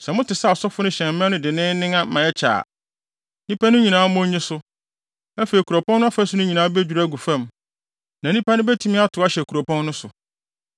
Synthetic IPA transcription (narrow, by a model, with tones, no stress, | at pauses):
sɛ˨mʊ̃˦tʰɪ˨sa˦˨sɔ˦fʊ˦nʊ̃˦ɕɛ̃˨m˦mɛ̃˦nʊ̃˦dɪ˨nɪ̃ː˦nɪ̃˦ŋã˦mã˨ɛ˦t͡ɕʰa̰ː˨ | nĩ˦pʰa˦nʊ̃˦ɲĩ˨nãː˨˦mʊ̃˦ɲĩ˦sʊ˦ | æ˦feː˨i˨kʰu˨ɾɔ˨pɔ̃˦nːʊ̃˦a˦fa˦sʊ˦nʊ̃˦ɲĩ˨nãː˨˦bæ˦d͡ʑᶣu˨ɾæ˦ɡu˨fã˦˨m | nã˨nĩ˦pʰa˦nʊ̃˦bæ˦tʰu˦mɪ̃˦a˦tʰʊ˨˦a˦ɕɛ˨kʰu˨ɾo˨pʰɔ̃˦nːʊ̃˦sʊ˨